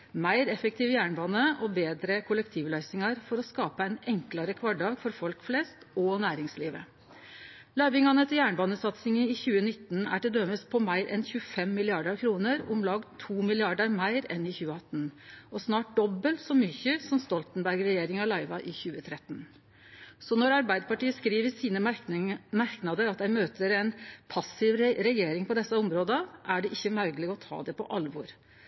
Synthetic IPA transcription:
mæɪɾɛfək̚t̪ʰiːʋjæːɳbɑːnəʔɔbeːd̪ɾəkʰʊlɛkt̪ʰiːʋlœɪsɪŋɑɾfɔɾɔskɑːpəæɪnɛŋklɑɾəkʰʋɑɖɑːɡfɔɾfɔlkflɛst̪ɔnæːɾɪŋsliːʋə | lɑɪʋɪŋɑnət̪ʰɪjæːɳbɑːnəsɑt̪sɪŋənɪçʉːənɪt̪ːnæ̰ɖɛd̪øməspʰɔmæɪɾʔɛ̰nçʉːəfɛmːɪlɪɑɖəɾkʰɾuːnəɾʊmlɑːɡt̪ʰuːmɪlɪɑɖəɾmæɪɾɛ̰nɪçʉːəɑt̪ːnʔɔsnɑːʈ̚d̪ɔbːəlt̪sɔmyçəsɔmst̪ɔlt̪nbæɾɡɾɛjeːɾɪŋɑlɑɪʋɑʔɪçʉːət̪ʰɾɛt̪ːn | sɔnɔɾɑɾbæɪd̪əpɑʈiːəskɾiːʋəsiːnə | mæɾknɑd̪əɾɑt̪d̪æɪmøːt̪ʰəɾæɪnpʰɑsːɪʋɾɛjeːɾɪŋpʰɔd̪ɛsːɑʊmɾoːd̪əʔæɖɛʔɪçːəmœɾɡlɪɡɔt̪ʰɑ̰ːd̪ɛpɔ̰ʔɑlʋɔɾ

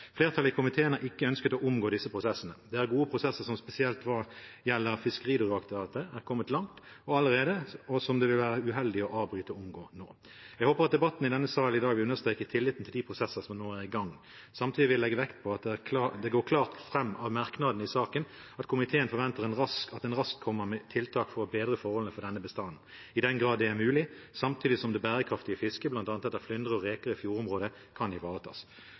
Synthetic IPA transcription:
fleːʁt̪ʰɑləɪkʰʊmɪt̪ʰeːənəʔɪkːəœnskət̪ɔʔʊmɡoːd̪ɪsːəpʰʁʊsɛsənəd̪ɛæʁɡuːəpʰʁʊsɛsːəʁsɔmspɛsɪɛlt̪ʋɑʁjɛlːəʁfɪskəʁiːd̪ʊʁɑkt̪ɪʋɑːt̪əæʁkʰɔmːət̪lɑŋt̪ | ɔɑlːəɾeːd̪əɔsɔmd̪ɛʋɪlʋæːʁəʉɦɛld̪ɪɔʔɑːʋbɾyːt̪əɔʊmɡoːno̰ː | jɛɡhoːpəʁɑt̪̚d̪ɛbɑt̪ːn̩ɪd̪ɛnːəsɑːəlɪd̪ɑːɡʋɪlʉnəɾst̪ʁeːkət̪ʰɪlːɪt̪n̩t̪ʰɪld̪iːpʰʁʊsɛsːəsɔmnoːæʁɪɡɑŋː | sɑmt̪ʰiːd̪ɪʋɪlɛɡːəʋɛkt̪̚pʰɔɑt̪̚ɛæd̪ɛɡoːkʰlɑːʁt̪fɾɛmːɑʋmɑʁknɑd̪nəɪsɑːkən | ɑt̪kʰʊmɪt̪ʰeːənfɔʁʋɛnt̪əʁɛnʁɑsɑt̪ɛnʁɑskʰːɔmːəmɛt̪ʰɪlt̪ʰɑːkfɔʁɔbeːd̪ʁəfɔʁhɔləəfɔd̪ɛnːəbəst̪ɑnn̩ | ɪd̪ɛnɡʁɑːd̪ːɛæʁmʉːlɪsɑmt̪ʰyːd̪ɪsɔmd̪ɛbæːɾəkʰɾɑft̪ɪəfɪskəblɑnt̪ɑːnət̪ɛt̪ːəflʏnd̪ʁəɔʁeːkəʁəfjuːɾʊmʁoːd̪ə | kʰɑnd̪ɪʋɑːʁət̪ʰɑ̰ːs

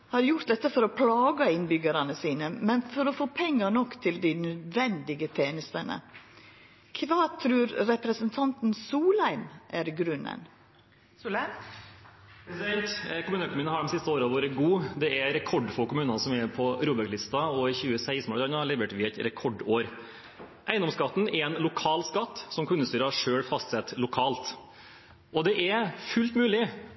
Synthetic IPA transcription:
hɑɾjʊɾt̪d̪ɛt̪ːəfɔɾɔpʰlɑːɡɑɪnbʏɡəɾɑnəsiːnəmɛnfɔɾɔfoːpʰɛŋːənɔkːt̪ʰɪld̪ɪnœd̪ʋɛnd̪ɪɡət̪ʰeːnəst̪ənə̰ | kʰʋɑːt̪ʰɾʉːɾɾɛpɾəsənt̪ʰɑnt̪nsuːlæɪmʔæɾɡɾʉnːə̰n | sd̪ɛnt̪kʊmʉːnəkʰʊmʉːnhɑɖɔmsɪst̪əoːɾəɑʋoːɾəɡuːd̪ɛɛɾɾɛkʰɔɖːfɔɾkʊmʉːnɑnsɔmɛpʰɔɾuːbəʈlɪst̪ɑɔɪçʉːəsæɪst̪moːlɾɑnəɑɭɛʋəʈʋɪɛt̪ɾɛkʰɔɖoːɾ | ʔæɪənɔmskɑt̪ːn̩ɛɾɛnlʊkʰɑːlskɑt̪ːsɔmkʰʉnːəst̪yːɾəɑʂøːɽfɑst̪sɛt̪ːlʊkʰɑːlt̪ | ʔɔd̪ɛʔɛfʉlt̪mʉːlɪ

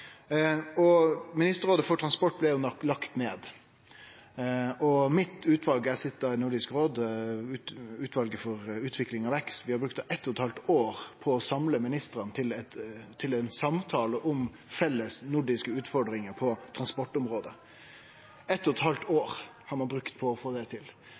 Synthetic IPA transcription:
ɔmɪnɪst̪əɾoːd̪əfɔʈʰɾɑnspɔʈ̚ːblɛjʊlɑkt̪neːd̪ | ɔmɪt̪ʉːt̪ʰʋɑlɡəæsɪt̪̚d̪ɑɪnʊɖɪskɾoːd̪ʉʉːt̪ʰʋɑlɡəfɔɾʉːt̪ʰʋɪklɪŋɑʋɛkst̪ʋɪhɑɾbɾʉkt̪ɛt̪ːɔt̪hɑlt̪oːɾpʰɔːsɑmləmɪnɪst̪ɾənət̪ʰɪlɛt̪t̪ʰɪlɛnsɑmt̪ʰɑːləʔɔm | fɛlːəsnʊɖɪskəʉːt̪fɔɖɾɪŋəɾpʰɔt̪ʰɾɑnspɔʈɔmɾoːd̪ə | ɛt̪ːɔt̪hɑlt̪oːɾ | hɑɾmɑnbɾʉkt̪̚pʰɔːfoːd̪ɛt̪ʰɪl

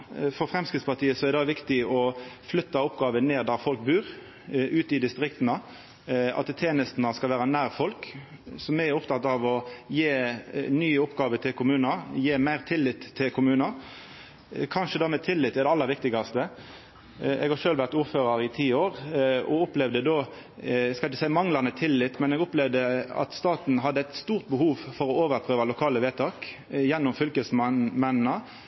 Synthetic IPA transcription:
fɔfɾɛmskʁɪt̪spɑt̪ʰiːəsɔɛɾd̪ɛd̪ɛʋɪkt̪ɪɔflʏt̪ːɑʊpɡɑːʋəneːʁd̪æːɾfɔlk̚bʉːɾ | ʉːt̪ɪd̪ɪst̪ɾɪkt̪nə | ɑ̰t̪t̪ʰeːnəst̪nəskɑlʋæːɾɑnæːʁfɔlk | sɔmɛɡæɾʊpt̪ʰɑt̪ɑʋɔjeːnyːʊpɡɑːʋət̪ʰɪlkʰʊmʉːnɑɾjeːmæɪʁt̪ʰɪlːɪt̪ʰːɪlkʰʊmʉːnɑɾ | kʰɑnʃəd̪ɑːmɛt̪ʰɪlːɪt̪ːɛd̪ɛɑlːəɾʋɪk̚t̪ɪɡɑst̪ə | ɛɡhɑʃøːlʋæʁt̪uːɾføːʁɑɾɪt̪ʰiːoːʁɔ̰ʊplɛʋd̪əd̪oː | skɑɪçəsæɪmɑŋlɑnət̪ʰɪlːɪt̪ːmɛnɛɡʊplɛʋd̪əɑ̰t̪st̪ɑːt̪n̩ɦɑd̪ːəæɪt̪st̪uːʁt̪̚bəhuːʋfɔʁɔoːʋəɾpʰʁøːʋɑlʊkʰɑːləʋeːt̪ʰɑːk | jɛnːʊmfʏlkəsmmɛnnə

